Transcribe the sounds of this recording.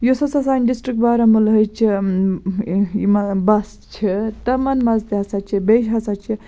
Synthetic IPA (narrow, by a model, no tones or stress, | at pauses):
josɐsɐsanɖisʈɾikʈbaɾɐmulɦəjt͡ʃʰi | imɐbɐs | t͡ʃʰit̪ɐmɐnmɐzt̪iɦɐsat͡ʃʰibeʃɦɐsat͡ʃʰi